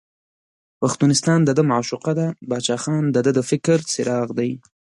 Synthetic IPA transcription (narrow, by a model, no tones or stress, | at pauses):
paxt̪unɪst̪ɑnd̪əd̪əmaʕʃuqad̪abɑt͡ʃɑxɑnd̪əd̪əd̪əfɪkɾt͡sɪɾɑɣd̪aj